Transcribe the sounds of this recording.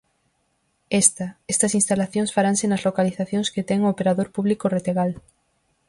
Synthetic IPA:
est̪ɐest̪ɐsinst̪alaθjõŋsfaɾaŋsenɐzlokaliθaθjõŋsket̪ɛŋoːpeɾaðoɾpuβlikoret̪eɣal

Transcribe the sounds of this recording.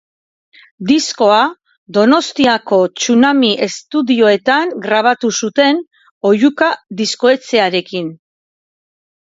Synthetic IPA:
d̪isko̞a | d̪o̞no̞st̪iako̞t͡sunamiʔe̞st̪uðio̞e̞t̪aŋɡɾaβ̞at̪usut̪e̞n | o̞jukaðisko̞e̞t͡se̞aɾe̞kin

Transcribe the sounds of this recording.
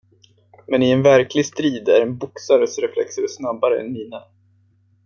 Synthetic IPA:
mɛnɪɛnvæɾkʰlɪst̪ɾiːd̪æɾɛnbʊksaɾəsɾɛflɛ̰ksəɾɛsnabːaɾə̰ɛ̰nːiːna

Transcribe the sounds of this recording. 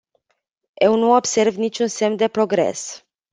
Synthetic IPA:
je̞wnuobse̞rvnit͡ʃʲunse̞md̪e̞pɾo̞ɡɾe̞̰s

